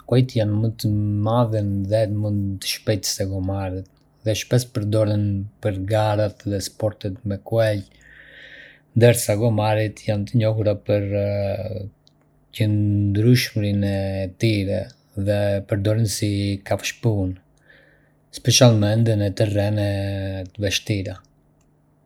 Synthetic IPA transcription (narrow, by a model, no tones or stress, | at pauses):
kwɛjt̪janmət̪əmaðənðɛmund̪t̪ə̥ʃpɛjt̪ə̥sɛɡɔmaɾit̪ | ðɛʃpɛspəɾd̪ɔɾənpəɾɡaɾat̪ðɛspɔɾt̪ɛt̪mɛkuɛl | nd̪əɾsaɡɔmaɾit̪jant̪əɲɔɦuɾapəɾ | cənd̪ɾyʃmɾinɛt̪iɾɛ | ðɛpəɾd̪ɔɾənsikafʃpun | spɛʃalmɛnd̪ənɛt̪ərɛnɛt̪əvɛʃt̪iɾa